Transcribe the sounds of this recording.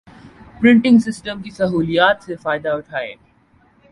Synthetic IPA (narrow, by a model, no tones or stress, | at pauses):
pɾɪ̃ɳʈɪ̃ŋɡsɪsʈəmkisɐɦuːlijaːt̪sefaːɪd̪aʊʈʰaːḛː